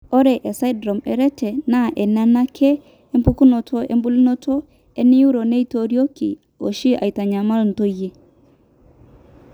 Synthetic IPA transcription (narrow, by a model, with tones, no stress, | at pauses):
o˦ɾɛ˨ʔe˨sa˦dɾo˨mɛ˨ɾɛ˦tɛ˨na˦ʔɛ˨na˦na˦kʰɛː˦ | mpu˦ku˦no˨tʰo˦ʔḛ˦mbu˦li˦no˦tʰo˦ | e˦nɪ˦u˦ɾo˨ne˦i˦to˨ɾjo˦ki˨ | o˨ʃi˦ʔa̰˨i˨ta˨ɲa˨ma˦ln̩˨to˦je˦